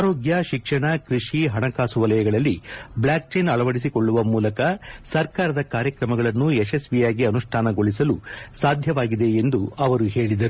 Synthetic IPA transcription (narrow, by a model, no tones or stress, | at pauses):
aːɾoːɡjɐʃikʂɐɳɐkɾiʂiɦɐɳɐkaːsuʋɐlɐjɐɡɐɭɐlːibɭaːk̚t͡ʃejnɐɭɐʋɐɽis̬iko̞ɭːuʋɐmuːlɐkɐsɐɾkaːɾɐd̪ɐkaːɾjɐkɾɐmɐɡɐɭɐnːuesesʋijaːɡiɐnuʂʈʰaːnɐɡo̞ɭisɐlusaːd̪ʱjɐʋaːɡid̪e̞end̪uɐʋɐɾuɦe̞ːɭid̪ɐɾu